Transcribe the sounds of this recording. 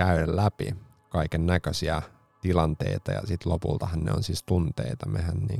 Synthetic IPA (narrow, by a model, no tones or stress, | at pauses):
æyɾellæpḭ | kɑikennækøsiæ | t̪ilɑnt̪ḛit̪ɑjɑ̰sit̪lopṵlt̪ɑhɑnnḛonsiːst̪unt̪eit̪ɑmehænnḭːŋ